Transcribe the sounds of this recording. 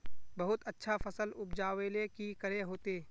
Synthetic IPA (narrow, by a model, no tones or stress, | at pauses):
bɐɦʊt̪ətːʃʰafɐsəlʊpd͡ʒaːʋelekikəɾeɦoːt̪eː